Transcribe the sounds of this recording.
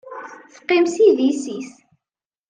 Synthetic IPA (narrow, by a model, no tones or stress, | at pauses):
θə̥qːɪmsiðisis